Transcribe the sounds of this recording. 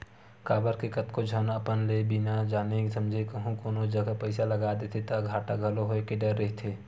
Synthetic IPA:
kaːbəɾkekɐt̪kod͡ʒʱənəpənlebinad͡ʒaːnesɐ̃md͡ʒʱekəɦũkoːnod͡ʒɐɡapɐɪsalɐɡaːd̪et̪ʰet̪aɡʱaːʈaɡʱɐloɦoekeɖɐɾːɐɦit̪ʰeː

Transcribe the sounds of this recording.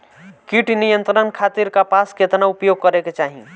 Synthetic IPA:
kiʈnijənt̪ɾənkʰat̪iɾkapasket̪naupjoɡ̚kəɾeket͡ʃaɦḭ̃

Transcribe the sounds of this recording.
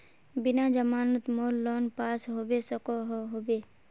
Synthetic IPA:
bɪnad͡ʒəmaːnut̪moːlːoːnpaːsɦoːbesəkoɦoɦoːbe

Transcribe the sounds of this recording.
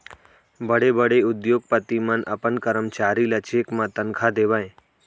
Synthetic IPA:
bəɽebəɽeʊd̪joːɡ̚pət̪imə̃nʔə̰pənkəɾəmt͡ʃaːɾilat͡ʃʰeːkmãt̪ənkʰad̪eʋãẽ

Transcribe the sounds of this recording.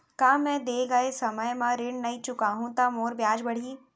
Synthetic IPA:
kaːmɛ̃ːd̪eːɡɐesɐməjmãɾɪɳnɐit͡ʃʊkaːɦũt̪amoːɾbjaːd͡ʒbɐɽ̤iː

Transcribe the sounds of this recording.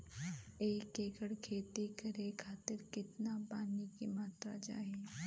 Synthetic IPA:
eːkeːkəɽkʰeːt̪ikɐɾekʰaːt̪ɪɾkɪt̪napaːnikimaːt̪ɾa̰d͡ʒa̰ːɦeː

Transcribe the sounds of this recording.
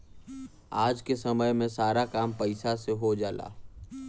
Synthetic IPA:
aːd͡ʒkesəməjmẽsaːɾakaːmpəɪsaseɦod͡ʒaːla̰ː

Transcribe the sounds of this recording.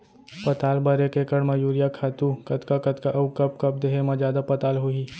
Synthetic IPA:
pɐt̪aːlbɐɾekekɐɽmɐjuːɾijakʰaːt̪ũkɐt̪kakɐt̪kaʔɐukɐb̚kɐp̚d̪eːɦemãd͡ʒjaːd̪apɐt̪aːlɦʊiː

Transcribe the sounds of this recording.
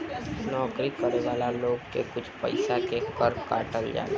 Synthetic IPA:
nɔːkɾikəɾeʋaːlaloːɡkḛkʊt͡ʃʰpə̰ɪsakekəɾkaːʈəld͡ʒa̰ːla

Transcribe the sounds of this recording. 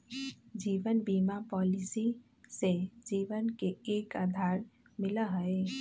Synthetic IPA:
d͡ʒiːʋənbiːmapɔːlɪsi | sed͡ʒiːʋənkeeːkaːd̪ʱaːɾ | mɪləɦəe

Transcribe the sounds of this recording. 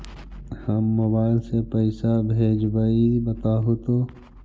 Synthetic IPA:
həmːoːbaːɪlsepəɪsabʱeːd͡ʒbəibɐt̪aːɦot̪oː

